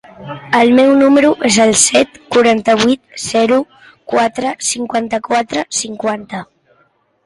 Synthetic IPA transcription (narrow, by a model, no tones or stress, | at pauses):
əlˠmɛwnuməɾuʔezəlˠsɛt̪kuɾant̪əβ̞it̪z̥ɛɾu | kwat̪ɾəsiŋkwant̪əkwat̪ɾəsiŋkwant̪ə